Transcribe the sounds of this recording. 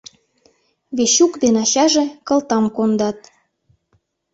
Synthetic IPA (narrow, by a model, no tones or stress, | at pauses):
βeɕukd̪enɑɕɑʒekɤ̆lt̪ɑmkond̪ɑt̪̚